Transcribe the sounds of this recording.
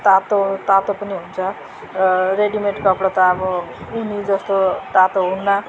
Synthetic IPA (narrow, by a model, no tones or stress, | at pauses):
t̪at̪ot̪at̪opʌniɦunt͡sʰʌ | reɖimeʈkʌpɽʌt̪aːbʌunid͡zʌst̪ot̪at̪oɦunːa